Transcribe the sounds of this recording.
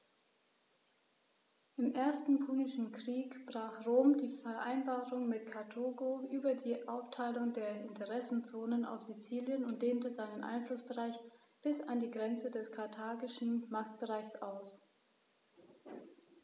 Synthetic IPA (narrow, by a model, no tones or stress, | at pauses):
ʔɪmʔeːɐstn̩pʰuːnɪʃn̩kʁ̥iːkb̥ʁaːχʁoːmdiːfɛɐʔa̰ɪnbaːʁʊŋmɪtkʰaɐtʰoːɡoʔyːbɐdiːʔaʊftʰaɪlʊŋdeːɐɪntʰəʁɛsn̩t͡soːnəna̰ʊfz̥it͡siːljənʊnt̚d̥eːntəzaɪnənʔa̰ɪnflʊsb̥əʁaɪç | b̥ɪsandiːɡʁɛnt͡sədɛskʰaɐtʰaːɡɪʃn̩maχtb̥əʁaɪçsaʊs